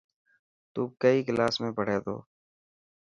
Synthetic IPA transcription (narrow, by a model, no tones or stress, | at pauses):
t̪uːkəiɡɪlaːsmẽbəɽ̤eːd̪o̰ː